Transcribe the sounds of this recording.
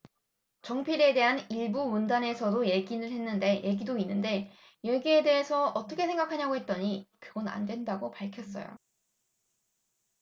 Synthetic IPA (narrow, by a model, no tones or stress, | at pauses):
t͡ɕʌŋpʰiɾe̞de̞ɦaniɭbumundane̞sʰʌdoje̞ɡinɯɭɦe̞nːɯnde̞je̞ɡidoinːɯnde̞ | jeɡie̞de̞ɦe̞sʰʌʌt͈ʌkʰe̞sʰe̞ŋɡakʰaɲaɡoɦe̞t̚t͈ʌɲikɯɡʌna̰ndwe̞ndaɡopaɭkʰjʌs͈ʌ̰jo̰